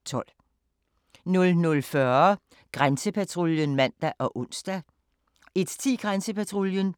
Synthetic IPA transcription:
t͡sʰɒ̽l̰ | nɔ̽lnɔlfɶɐ | ɡ̥ʁansəpʰæt͡sʰʁo̝ljənmæn̰d̥æʔɒ̽ʔɔ̽n̰sd̥æ | e̝d̥t͡sʰḭːɡ̥ʁansəpæt͡sʰʁoljən

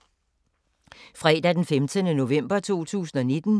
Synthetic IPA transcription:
fʁɛːd̥æd̥enfemt͡sʰənəno̝ʋem̰b̥ɐt͡sʰo̝̰ːt͡sʰṵːsn̩ɒ̽ne̝d̥n̩

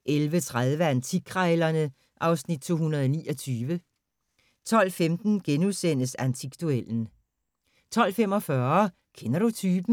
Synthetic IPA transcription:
ʔelʋət͡sʰʁaðˠʋəænt͡sʰiɡ̥ʰʁɑɪlɐnə | ʔɑ̈ʊsnid̥̚t͡sʰo̝̰ːhunɐð̞̩ˠɒnḭːʔɒ̽t͡sʰyːʋə | t͡sʰɒ̽l̰femd̥n̩ɡ̥enuðˠsen̰əsænt͡sʰiɡ̥d̥uel̰n̩ | t͡sʰɒ̽l̰fem̰ɒ̽fɶːɐ | kʰenɐɾut͡sʰyːb̥n̩

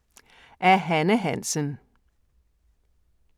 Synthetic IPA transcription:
ʔæɐɦænəɦænsən

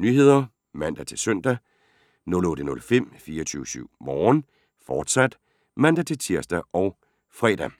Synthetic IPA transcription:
nyhe̝ð̞̰ˠɐ | mæn̰d̥æt͡sʰe̝lsœn̰d̥æ | nɔ̽lɔ̽ːɾ̥ənɔ̽lfem̰fiːɐɒt͡sʰyːʊəsyʊ̰mɒːn | fɒːd̥sæd̥ | mæn̰d̥æt͡sʰe̝lt͡sʰiɐsd̥æʔɒ̽ʊ | fʁɛd̥æ

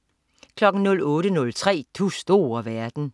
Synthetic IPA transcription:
kʰlɒ̽ɡ̥n̩nɔ̽lɔ̽ːɾənɔ̽lt͡sʰʁɛ̰ːt͡sʰusd̥o̝ːɐʋæɐd̥n̩

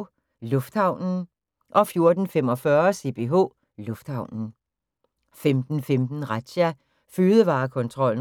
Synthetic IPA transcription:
lɔ̽fd̥hɑ̈ʊ̰nn̩ | ʔɒ̽fjo̝ɐd̥n̩fem̰ɒ̽fɶɐse̝̰b̥e̝ɦo̰ː | lɔ̽fd̥hɑ̈ʊ̰nn̩ | femd̥n̩femd̥n̩ʁɑd̥ɕæ | føːðˠəʋɑ̈ːkʰɒ̽nt͡sʰʁɒ̽l̰n̩

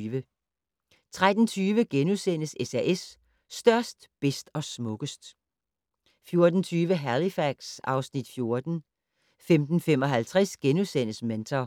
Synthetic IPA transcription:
ʋə | t͡sʰʁad̥n̩t͡sʰyːʋəɡ̥enusen̰əsesæʔesː | d̥ɶɐsd̥b̥esd̥ɒ̽smɔ̽ɡ̥əsd̥ | fjo̝ɐd̥n̩t͡sʰyːʋəɦælifæɡ̥sɑ̈ʊsnid̥fjo̝ɐd̥n̩ | femd̥n̩femɒ̽ɦælt͡sʰʁɛsɡ̥enusen̰əsment͡sʰɐ

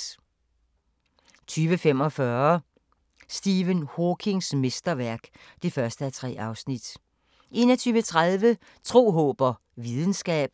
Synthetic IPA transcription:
t͡sʰyːʋəfemɒ̽fɶɐ | sd̥iːʋənhokʰe̝ŋsme̝sd̥ɐʋæɐ̰ɡ̥ | d̥e̝fɶɐsd̥əæt͡sʰʁɛ̰ːɑ̈ʊsnid̥ | ʔe̝nɐt͡sʰyːʋət͡sʰʁað̞ˠʋə | t͡sʰʁo̝̰ːɦɔ̽ːb̥ɐ | ʋið̞ˠn̩sɡ̥ɛ̰ːb̥̚

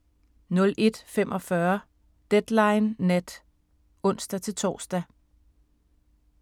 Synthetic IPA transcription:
nɔ̽lʔe̝d̥fem̰ʔɒ̽fɶɐ | d̥ed̥lɑ̈ɪnːed̥ | ɔ̽n̰sd̥æt͡sʰe̝lt͡sʰɒ̰ːsd̥æ

